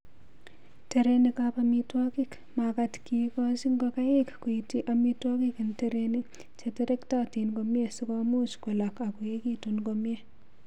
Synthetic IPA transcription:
teɾenikapamitwɔkik | makatkikɔsiŋɡokajekkuitiʔamitwɔkikinteɾeni | t͡ʃeteɾektatinkomjesikɔmut͡ʃkolakakuekitunkomje

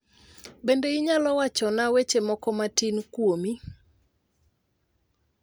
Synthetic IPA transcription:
bendeiɲalɔwat͡ʃɔnawet͡ʃemɔkɔmatinkwomi

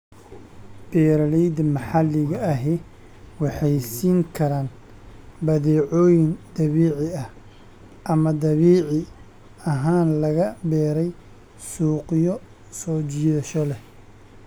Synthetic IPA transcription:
b̥ɛːɾɐlɛjd̪mɐħɑlːɪɣɐːɦɛ | wɑħɑjsiːŋkʰɐɾaːn | bɐðɛːʕɔːjɪnd̪ɐβiːʕɪɐh | ʔɐmɐd̪ɐβiːʕɪ | ɐɦaːnlɐɣɐbɛːɾɛj | suːqɪjɔ | sɔːt͡ʃɪjɛʃɔlɛ

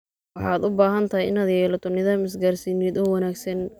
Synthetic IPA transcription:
wɑħɑːd̪ʊbaːɦɐnt̪ʰɐɦɛjɪnaːd̪jɛːlɐt̪ʰɔnɪðaːmɪs̬ɡaːrsiːnɛːd̪ɔːwɑnaːɡsɐn

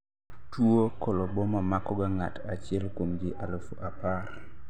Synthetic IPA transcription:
tuokɔlɔbɔmamakɔɡaŋatat͡ʃɪɛlkwomd͡ʒɪʔalofoʔapar

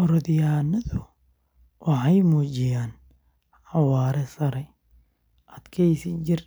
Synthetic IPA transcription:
ʔɔɾɔðɪjaːnɐðʊ | wʔɑħɑjmuːt͡ʃɪjaːn | ħɑwɑːɾɛsɐɾɛ | ʔɐd̪kʰɛjsɪt͡ʃɪr

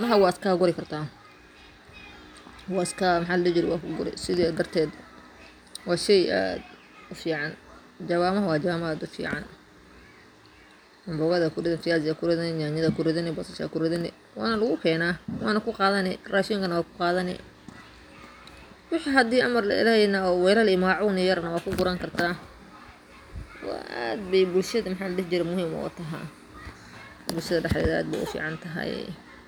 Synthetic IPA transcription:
nɐɦɐwɑːskʰaːɡʊɾɪkʰɐrt̪ʰaː | wɑːɪskʰaːmɐħaːlɐlɛːd͡ʒɪɾɛwɑːkʰʊɡʊɾɛ̰sɪðid̪ɐrt̪ʰɛːd̪ | wɑːʃɛja̰ːd̪ | ʊfiːʕɑn | d͡ʒɐβaːmɐɦɐwɑːd͡ʒaaːmaːd̪ʊfḭːʕɑ̰n | ʊmbʊːɣɐðɐkʰʊrɪðɐnfɪjaːzɪakʰʊɾɪðɐnɛɲaːɲɐðɐkʰʊɾɪðɐnɪbɐsɐʃa̰kʰʊrɪðɐnɛ̰ | wɑ̰ːnɐlʊɣʊkʰɛːnaːwɑːnɐkʰʊqɑːðɐnɪraːʃiːŋkʰɐnɐwaːkʰʊ̥qɑːðɐnɪ̰ | wɪħiɦɐd̪iːʔɐmɐrlɐ̰ɪ̰lɐhɛjnɐɔːwɛjlɐlɪmaːʕʊːnɪjɐɾnɐwɑːkʰʊɡʊɾaːŋkʰɐrt̪ʰaː | wɑ̰ʔa̰ːd̪̚bɛjbʊlʃɐðɐmɑħɑːlɐɽɪht͡ʃɪɾɛmʊɦiːmɔ̰ːt̪ʰɐɦɐ̰ | bʊlʃɐðɐɖɑħdɛ̰ðɐa̰ːd̪̚bɛ̰jʔʊ̰fḭːʕɑnt̪ʰɐɦɐ̰j

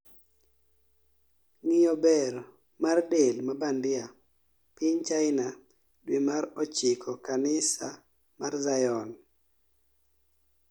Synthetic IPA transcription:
ŋɪjɔbɛɾ | mardelmabandɪa | pɪɲt͡ʃaɪna | dwimaɾɔt͡ʃɪkʰɔkanɪsa | marzajɔn

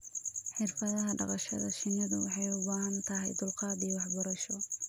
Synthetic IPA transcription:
ħɪrfɐðɐɦɐɖɑ̰qɑʃɐðɐʃɪnɐðʊ̰wɑħɑjʊbaːɦɐnt̪ʰɐɦɛjd̪ʊlqɑːdiːwɑħbɔɾɐʃɔ

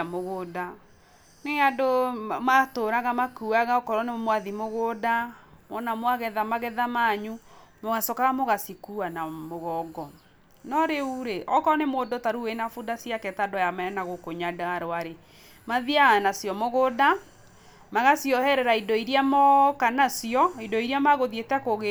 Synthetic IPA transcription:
amoɣoda | neadomatoɾaɣamakuaɣaɔkɔɾɔnemwaðimoɣodamɔnamwaɣɛðamaɣɛðamaɲumoɣasɔkaɣamoɣasikuanamoɣɔɡɔ | nɔɾeuɾeʔɔkɔnemoːdotaɾuwenafudasiakɛtadɔjamɛɛnaɣokoɲadaaɾoaɾe | maðiaɣanasjɔmoɣoːda | maɣasiɔhɛɾɛɾaidɔiɾiamɔkanasiɔidɔiɾiamaɣoðietɛkoɣe

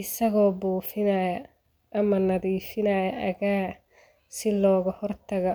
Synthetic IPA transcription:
ɪsɐɣɔːbuːfɪnɐjɐ | ʔɐmɐnɐðiːfɪnɐjɐʔɐɣaː | sɪlɔːɣɐhɔrt̪ʰɐɣɐ

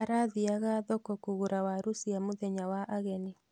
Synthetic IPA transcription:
aɾaðiaɣaðɔkokuɣuɾawaɾusiamoðɛɲawaʔaɣɛni

